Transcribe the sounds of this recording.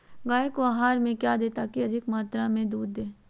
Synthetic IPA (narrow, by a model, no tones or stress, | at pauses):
ɡaːekoaːɦaːɾmẽkjaːd̪eːt̪akiɐd̪ʱɪkmaːt̪ɾamẽd̪uːd̪ːeː